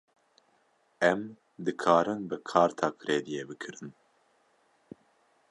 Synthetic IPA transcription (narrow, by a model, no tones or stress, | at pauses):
ɛm | d̪ɨkʰɑːɾɨnbɨkʰɑːɾt̪ʰɑːkʰɾeːd̪ijebɨkʰɨɾɨn